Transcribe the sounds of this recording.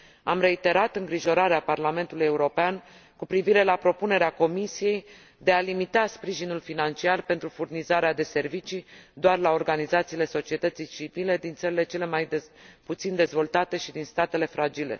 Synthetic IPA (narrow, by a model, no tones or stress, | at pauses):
amre̞it̪e̞ɾat̪ɨŋɡɾiʒo̞ɾaɾeaparlame̞nt̪uluje̞uɾo̞pean | kupɾiviɾe̞lapɾo̞pune̞ɾeako̞misije̞j | d̪e̞alimit̪aspɾiʒinulfinant͡ʃiarpe̞nt̪ɾufurnizaɾead̪e̞se̞rvit͡ʃid̪oarlao̞rɡanizat̪siːle̞so̞t͡ʃie̞t̪ət̪sijt͡ʃivile̞d̪int̪səɾile̞t͡ʃe̞le̞maj̪put̪sind̪e̞zvo̞lt̪at̪e̞ʃid̪inst̪at̪e̞le̞fɾad͡ʒile̞̰